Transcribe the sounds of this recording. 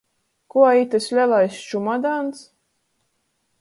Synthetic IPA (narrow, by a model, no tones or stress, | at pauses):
kuait̪ɨsʲlʲɛlˠajst͡ʃumad̪ans